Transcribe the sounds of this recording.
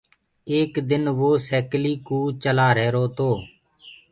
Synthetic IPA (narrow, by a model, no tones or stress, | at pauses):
eːkd̪ɪnʋoːsɛːkliːkuːt͡ʃəlaːɾɛːɾoːt̪oː